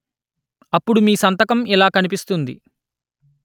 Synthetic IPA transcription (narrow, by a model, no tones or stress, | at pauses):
ɐpːuɽumiːsɐnt̪ɐkɐmilaːkɐnip̬ist̪und̪ḭ